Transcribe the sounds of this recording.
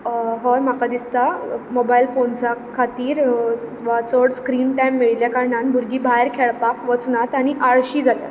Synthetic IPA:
ɦɔɾmakad̪ist̪amobailfont͡sakʰat̪iːɾ | ʋat͡sɔɽskɾiːnʈajmːiɭiljakaɾɳanbʱuɾɡiːbʱajɾkʰeɭpakʋət͡snat̪aɽ̃iʔaɭɕiːd͡zat̪ja̰

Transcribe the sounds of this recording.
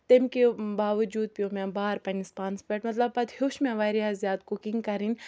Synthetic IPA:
t̪emkebaːʋɐd͡ʒuːd̪̚piomẽbaːɾpɐnispaːnspʲeʈmɐt̪lɐb̚pɐt̪hoʃmẽʋaːɾiaːzjaːd̪kukiŋɡkɐɾinʲ

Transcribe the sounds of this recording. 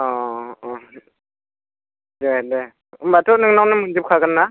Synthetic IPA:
ɔ | dede | mbatʰɔnɯŋnawnamɯnd͡ʒɯp̚kʰaɡɯnːa

